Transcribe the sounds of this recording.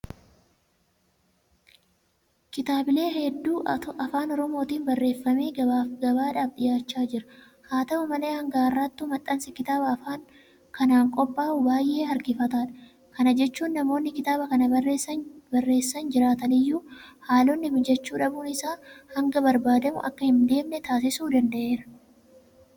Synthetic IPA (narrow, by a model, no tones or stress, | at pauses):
kɪt̪aːbɪle̞ːhɛd̪ːuːʔʔɐfaːnɔɾɔmo̞ːt̪iːnbɐrːe̞ːfːɐmeːɡɐbaːᶑaːfᶑ̪ɪjaːt͡ʃːaːd͡ʒɪɾɐ̥ | haːt̪ɐmɐmɐle̞ːhɐŋɡaːrːat̪ːʊmɐt̪ʼːɐnsɪkɪt̪aːbɐːfaːŋ | kɐnaːŋkʼɔpʼːaːʊbaːjʔe̞ːhɐɾɡɪfɐt̪aːᶑɐ̥ | kɐnɐd͡ʒɛt͡ʃːuːnːɐmo̞ːnːɪkɪt̪aːbɐkɐnɐɐreɐbɐrːe̞ːsːɐnd͡ʒɪɾaːt̪ɐnɪjːuːhaːlɔnːɪmɪd͡ʒɛt͡ʃːuːᶑɐbuːnɪsaːhɐŋɡɐbɐɾbaːd̪ɐmʊ̰ʔɐ̰kːɐhɪnd̪e̞ːmnɛt̪aːs̬ɪsuːd̪ɐnd̪ɐʔe̞ːɾɐ̥